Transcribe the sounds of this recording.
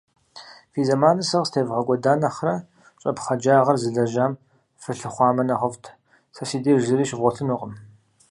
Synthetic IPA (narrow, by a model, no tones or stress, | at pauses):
fiːzɐmaːnɨsɐʁstʰeːvʁɐkʷʼɔdaːnɐχrɐ | t͡ʃʷʼɐpχɐd͡ʒaːʁɐrzɨɮɐʒaːm | fɨɬɨχʷɑːmɐnɐʁəvtʰ | sʰɐsiːdeːʒɨɾiːʃvʁʷɔtʰɨnʊqʼəm